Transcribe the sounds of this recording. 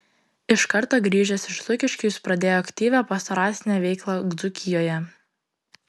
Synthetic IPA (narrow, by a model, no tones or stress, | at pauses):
ɪʃkɐɾt̪oːɡɾʲiːʒʲɛsɪʃlˠʊkʲɪʃʲkʲuspɾɐd̪ʲeːjoːɐkʲt̪ʲiːʋʲæpɐst̪ɐɾɑːsʲnʲɛʋʲɛɪklˠɑɡd̪zʊkʲɪjoːjɛ